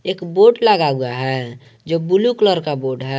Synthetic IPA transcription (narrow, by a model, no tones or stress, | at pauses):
eːkboːʈləɡaɡuaɦɛ | d͡ʒoːbulukləɾkaboːɖɦɛ